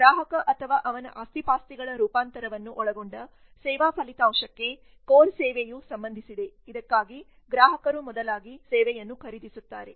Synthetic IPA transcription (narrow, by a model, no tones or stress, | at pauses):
ɡɾaːɦɐkɐʔɐt̪ʰɐʋaːʔɐʋɐnɐ̰ʔaːst̪ipaːst̪iɡɐɭɐɾuːpaːnt̪ɐɾɐʋɐnːuʔɔɭɐɡoɳɖɐ | sɛːʋaːpʰɐlit̪aːmʂɐkːe̞ | koːnsɛːʋejusɐmbɐnd̪ʱisid̪e̞ | id̪ɐkːaːɡi | ɡɾaːɦɐkɐɾumɔd̪ɐlaːɡisɛːʋɛjɐnːukʰɐɾid̪isut̪ːaːɾe̞